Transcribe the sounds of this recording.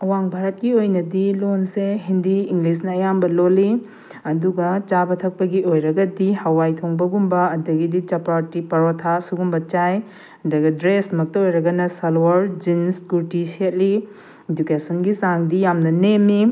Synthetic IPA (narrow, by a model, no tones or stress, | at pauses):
ɐwaŋbʱaɾɐt̚kiojnɐdilonseɦindiiŋɡlis̬nɐːjambɐloli | ɐduɡɐt͡ʃabɐtʰɐk̚pɐɡiojɾɐɡɐdihɐwajtʰoŋbɐɡumbɐːdɐɡidit͡ʃɐpɾatipɐɾotʰasuɡumbɐt͡ʃaj | ɐdɐɡɐdɾesmɐk̚tɐojɾɐɡɐnɐsɐlwɐɾd͡ʒinskuɾtiset̚li | ed͡ʒukesɐnɡisaŋdijamnɐnemi